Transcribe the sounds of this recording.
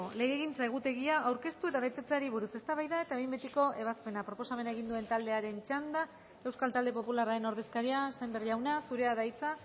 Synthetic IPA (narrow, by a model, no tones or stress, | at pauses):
ole̞ɣeɣint͡sae̞ɣ̞ut̪e̞ɣ̞iaʔawɾke̞st̪ue̞t̪aβet̪e̞t͡saɾiβ̞uɾuse̞st̪aβajðae̞t̪aejmbet̪eko̞ʔe̞β̞aspe̞napɾo̞po̞same̞nae̞ɣ̞ind̪ue̞nt̪ald̪e̞aɾe̞nt͡ʃand̪a | e̞wskalt̪ald̪e̞po̞pularae̞no̞ɾð̞e̞skaɾiase̞mberiawnasuɾe̞aðajt͡sa